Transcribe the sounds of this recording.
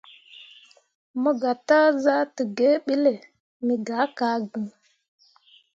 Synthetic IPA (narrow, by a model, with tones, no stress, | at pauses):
mə˦ɡa˨ta˦za˦tə˨ɡe˦ɓi˦le˨ | mi˨ɡa˨˦ka˨˦ɡə˨ŋ